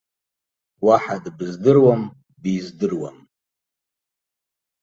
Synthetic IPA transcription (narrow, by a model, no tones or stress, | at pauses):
waħadbzdɨrwam | bizdɨrwa̰m